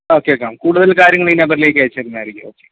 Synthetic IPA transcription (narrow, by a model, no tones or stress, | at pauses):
o̞ːkːeoːkːeamkuːɽuðɐlkaːɾjɐŋːɐɭinɐbɐɾile̞ːkʲːɐɻit͡ɕːerinːaːjiɾikʲːoːkːe